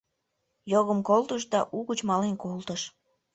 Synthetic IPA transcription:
joɣəmkolt̪əʃ̬d̪ɑʔuɣut͡ɕmɑlenkolt̪əʃ

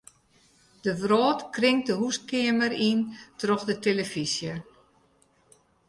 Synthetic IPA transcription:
d̥əʋroːtkrɪŋ̚dəɦust̚kɪəmərintrɔxdəteləfisjə

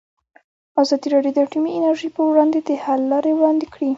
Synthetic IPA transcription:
azɑd̪iɾɑɖjod̪əʈimiɪnaɾʒəjpəwɽɑnd̪ed̪əhalːɑɾewɽɑnd̪ekɽi

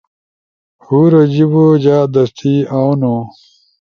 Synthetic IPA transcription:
huːɾɐd͡ʑibod͡ʑaːd̪ɐst̪ʰiːaːwno

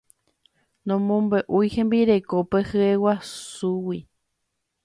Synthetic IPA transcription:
nõmõmbeʔujhẽmbiɾe̞kopehɨewasuwi

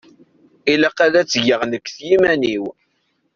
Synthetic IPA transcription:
ilaqæðæt͡sːəʝəʁnəkːθjimæniw

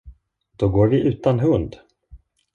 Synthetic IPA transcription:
d̪̥ɔɡoːɾvɪʔʉ̟ːt̪anɦɵnd̪

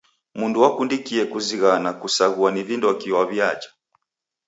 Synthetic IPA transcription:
munduwakundikiɛkuziɣanakusaɣuanivindɔkiwaβjat͡ʃḁ

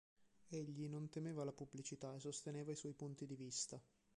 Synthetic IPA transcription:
eʎːinont̪emeːvalapubːlit͡ʃit̪aesːost̪eneːvaiswɔjpunt̪id̪ivist̪a

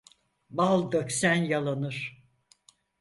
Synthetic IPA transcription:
balˠd̪øksænjalˠanɯɾ̥

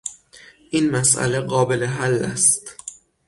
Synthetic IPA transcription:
ʔinmæsʔæ̰leɢɒːbe̞leɦælːæ̰st̪

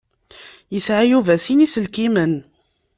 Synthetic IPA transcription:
jəsʕajuvæsinisəlkimən

